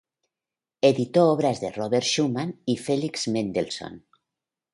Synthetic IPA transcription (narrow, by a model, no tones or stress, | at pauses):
eðit̪oɔβ̞ɾazðeroβeɾʃumanifelikz̥mẽnd̪elso̰n